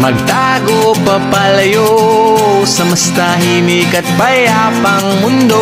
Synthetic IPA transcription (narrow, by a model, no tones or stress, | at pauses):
mɐɡ̚t̪a | ɡopɐpaljo | sɐmɐst̪aɦinikɐt̪̚paja | pɐŋmʊnd̪o